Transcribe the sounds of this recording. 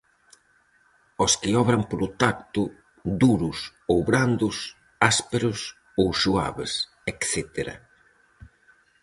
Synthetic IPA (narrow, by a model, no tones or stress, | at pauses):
oskɪɔβɾɐmpoɾʊt̪akt̪ʊ | d̪uɾʊsowβɾand̪ʊs | aspeɾʊs | owʃua̰βḛs | ɛkθɛt̪eɾɐ̰